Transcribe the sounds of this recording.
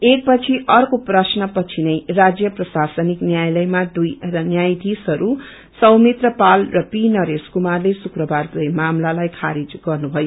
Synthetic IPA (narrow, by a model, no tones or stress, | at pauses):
ek̚pʌt͡sʰiʔʌrkoprʌsnʌpʌt͡sʰinʌjrad͡zjʌprʌsasʌniknjajlʌjmad̪ujʌnjajd̪ʱisɦʌɾu | sʌwmit̪rʌpalrʌpinʌɾeskumarlesukrʌbard̪ʌjmamlalajkʰaɾid͡zɡʌrnubʱʌjo